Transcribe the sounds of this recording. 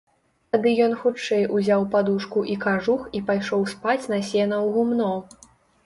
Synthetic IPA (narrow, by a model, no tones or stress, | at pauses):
t̪ad̪ɨjɔnxut͡ʂɛjʔuzʲawpad̪uʂkuʔikaʐuxipajʂɔwspat͡sʲnɐsʲɛnɐwɣumnɔ